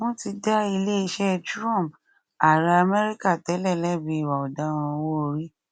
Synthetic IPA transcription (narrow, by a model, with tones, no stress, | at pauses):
mõ˦ti˧da˦i˧le˦i˧ʃɛ˦tɾɔ̃˦˨mp | a˨ɾa˧a˧mɛ˦ɾi˦ka˦˨tɛ˨˦lɛ˦˨lɛ˦˨bĩ˨˧i˨wa˨ɔ˨da˨˦w̃ɔ̃˧wo˦˧ɾi˦